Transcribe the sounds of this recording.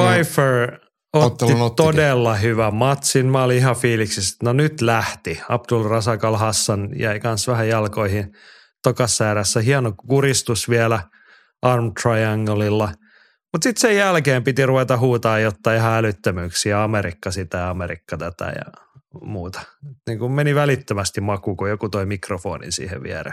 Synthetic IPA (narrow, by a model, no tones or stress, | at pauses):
fɑifer | ot̪ːit̪odelːɑhyʋæmmɑt̪sinmæoliihɑfiːliksist̪nonyt̪læht̪iɑ̰pdulrɑsɑkɑlhɑsːɑnjæikɑnsʋæhæjɑlkoihin | t̪okɑsːæːɾæsːæhiɑnokurist̪usʋielæ | ʔɑrmt̪rɑiɑŋɡolilːɑ | mut̪sit̪sejælkeːmpit̪iruʋet̪ɑhuːt̪ɑːjjot̪ːɑiihɑælyt̪ːømyːksiɑɑmeɾikːɑsit̪æjɑmeɾḭkːɑt̪æt̪æ̰jɑ̰muːt̪ɑ̥ut̪niːŋkummeniʋælit̪ːømæst̪immɑkukojokut̪oimikrofo̰ːnḭnsḭːhḛʋʋḭɛrḛ